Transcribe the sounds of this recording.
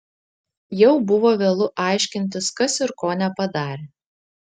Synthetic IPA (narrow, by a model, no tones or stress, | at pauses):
jɛʊbʊʋoːʋʲeːlˠʊʔɑˑɪʃʲkʲɪnʲt̪ʲɪskɐsɪɾkoːnʲɛpɐd̪ɑːɾʲeː